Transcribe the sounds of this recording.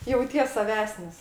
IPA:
jɛʊˈtʲiɛs sɐˈʋʲæːsʲnʲɪs

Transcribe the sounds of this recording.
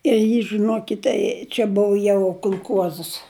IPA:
ɪr ˈjiː ʒɨˈnuɔkʲɪtʲɛ t͡ʃʲɛ ˈbʊʋʊ jɛʊ kʊlˠˈkuɔzəs

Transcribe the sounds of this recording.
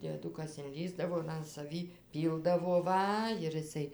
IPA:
dʲiɛˈdʊkɐs ɪnʲˈlʲiːzdɐʋoː ɪr ɐn sɐˈʋʲiː ˈpʲiːlˠdɐʋoː ˈʋɐ ɪr ɪˈsɐɪ

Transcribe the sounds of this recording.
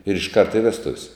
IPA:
ɪr ɪʃˈkɐrt ɪ ˈʋʲæːstʊw sʲ

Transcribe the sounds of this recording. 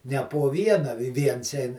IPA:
nʲɛ poː ˈʋʲiɛnɐ ʋʲɪ ˈʋʲiɛns ˈɛɪn

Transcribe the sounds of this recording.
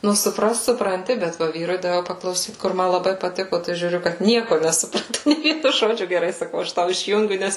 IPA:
ˈnʊ sʊˈprɐst sʊprɐnʲˈtʲɪ bʲɛt ˈʋɐ ˈʋʲiːrʊɪ dɐˈʋʲɛʊ pɐklˠɐʊˈsʲiːt kʊr ˈmɐ lˠɐˈbɐɪ pɐˈtʲɪkoː tɐɪ ʒʲuːˈrʲʊ kɐt ˈnʲiɛkoː nʲɛsʊˈprɑːtoː nʲeː ˈʋʲiɛnʊ ˈʒoːd͡ʒʲʊ ɡʲɛˈrɐɪ sɐˈkɐʊ ˈɐʃ ˈtɐʊ ɪʃʲˈjʊŋʲɡʲʊ ˈnʲɛs

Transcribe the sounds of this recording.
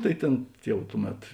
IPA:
ˈtɐɪ ˈtʲeːn ˈjɛʊ ˈtʊˌmʲɛt

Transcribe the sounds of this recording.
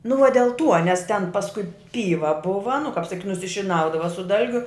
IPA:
nʊ ʋɐ dʲɛlˠ ˈtuɔ nʲɛs tʲɛn pɐsˈkʊɪ ˈpʲiːʋɐ ˈbʊʋɐ nʊ kɐp sɐˈkʲiːtʲ nʊsʲɪʃʲɪˈnɐʊdɐʋɐ sʊ ˈdɐlʲɡʲʊ

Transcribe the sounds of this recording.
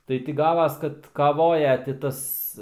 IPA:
ˈtɐɪ tʲɪ ˈɡɑːʋɐs ˈkɐt kɐˈʋoːjɛ tʲɪ ˈtɐs

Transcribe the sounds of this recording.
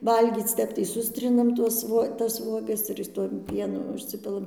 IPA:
ˈʋɐlʲɡʲiːt͡s ˈtʲɛp tɐɪ ˈsʊsʲtʲrʲɪnɐm ˈtuɔs ʋuɔ tɐs ˈʋuɔɡɐs ɪr ˈtuɔm ˈpʲiɛnʊ ʊʃʲˈsʲɪpʲɪlˠɐm

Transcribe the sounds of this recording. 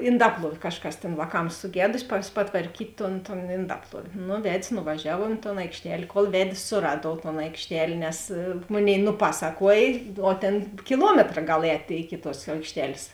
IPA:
ɪnˈdɑːplˠuɔw ˈkɑːʃˌkɐs tʲeːn ʋɑːˈkɐms sʊˈɡʲæːdʊsʲɪ pɐs pɐtʋɐrʲˈkʲiːtʲ toːn toːn ɪnˈdɑːplˠuɔw nʊ ˈʋʲɛtʲsʲ nʊʋɐˈʒʲæːʋoː ɪ toːn ɐɪkʃʲˈtʲɛlʲ koːlˠ ˈʋʲɛtʲsʲ sʊˈrɑːduɔw toːn ɐɪkʃʲˈtʲɛlʲ nʲɛs ˈmoːˌnʲeːɪ nʊˈpɑːsɐˌkuɔj oː ˈtʲeːn kʲɪˈlˠuɔmʲɛtrɐ ˈɡɐlˠ ˈɛːtʲeː ɪkʲɪ tuɔs ɐɪkʃʲˈtʲɛlʲsʲ

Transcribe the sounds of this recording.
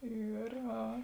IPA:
ˈiːr ˈɐ

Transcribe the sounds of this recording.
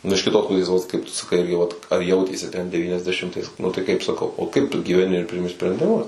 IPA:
ˈnʊ ɪʃ kʲɪˈtoːs ˈpʊsʲeːs ˈʋɐt kɐɪp ˈtʊ sɐˈkɐɪ ˈɪrʲɡʲɪ ʋɐt ɐr ˈjɛʊtʲeːsʲɪ tʲɛn dʲɛʋʲiːnʲɛzʲdʲɛˈʃʲɪmtɐɪs ˈnʊ tɐɪ ˈkɐɪp sɐˈkɐʊ oː ˈkɐɪp ɡʲiːʋʲɛˈnʲɪ ɪr ˈpʲrʲɪmʲɪ sʲpʲrʲɛnʲdʲɪˈmʊs

